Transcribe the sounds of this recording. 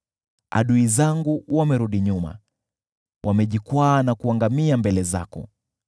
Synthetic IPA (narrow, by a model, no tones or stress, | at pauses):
a̰ɗuizaŋɡuwamɛɾuɗiɲuma̰ | wʔamɛʄikwaːnakuaŋɡamiambɛlɛza̰kɔ̰